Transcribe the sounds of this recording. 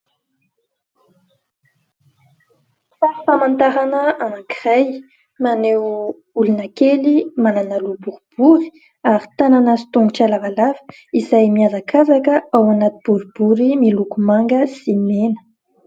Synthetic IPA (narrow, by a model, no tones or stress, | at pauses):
fafamant̪aɾanəanakiʁaj | manew | ulunakelimananalubuɾub̥uɾi̥ | aɾi̥t̪ananasi̥t̪uŋɡuʈ͡ʂalavalavə̥ | izajmiazakʰazakəawanat̪ib̥uɾbuɾimilukumaŋɡəsimenə̥